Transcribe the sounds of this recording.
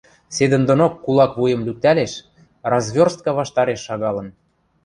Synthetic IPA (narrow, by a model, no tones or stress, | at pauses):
sed̪ə̆nd̪onokːulɑkβujə̆mlʲyk̚t̪æleʃ | rɑzβʲorst̪̚kɑβɑʃt̪ɑɾeʃːɑɣɑlɤ̆n